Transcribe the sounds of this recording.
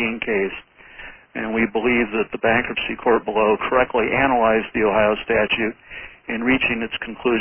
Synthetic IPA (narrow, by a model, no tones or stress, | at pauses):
iɪ̃ŋkʰeɪs | ɨ̃nwibəlivðɨt̪̚ðəbæ̃ŋkɹəpsikʰɔɹt̚b̥əloʊkʰə˞ɛk̚tˡliʔænəlaɪzðioʊɦaɪoʊstæt͡ʃʉɾɨ̃nɹit͡ʃɪ̃ŋɨtskʰn̩kʰl̥ʉ